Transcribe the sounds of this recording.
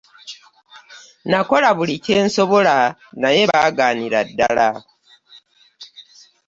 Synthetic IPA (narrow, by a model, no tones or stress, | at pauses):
nako̞laβulice̞ːnso̞βolanaje̞βaːɡaːniɾadːala